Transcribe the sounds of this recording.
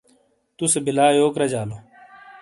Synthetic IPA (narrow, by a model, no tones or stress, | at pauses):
t̪ʊsebɪlaːjoːkɾəd͡ʒaːloː